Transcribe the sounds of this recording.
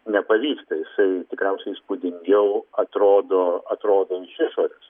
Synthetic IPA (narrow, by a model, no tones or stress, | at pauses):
nʲɛpɐʋʲiːkst̪ɐjɪsɐɪt̪ʲɪkɾʲɛʊsʲɛɪɪspʊd̪ʲɪŋʲɡʲɛʊɐt̪ɾoːd̪oːɐt̪ɾoːd̪oːɪʃʲɪʃoːɾʲʊs